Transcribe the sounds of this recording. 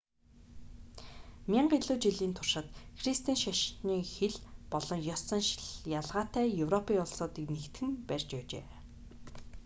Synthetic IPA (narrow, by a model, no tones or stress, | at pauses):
mʲaɴɢiɮuːt͡ɕiɮiːnt̪ʰʊrʃə̆t̪xrist̪ʰiːnʃaʃniːxeɮpɔɮɞ̆ŋjɔst͡sə̆nʃɮjaɮʁaːt̪æːjɵwrɔpiːŋʊɮsʊːt̪iːknekt̪xɘ̆mpærʲt͡ɕpæːt͡ɕḛː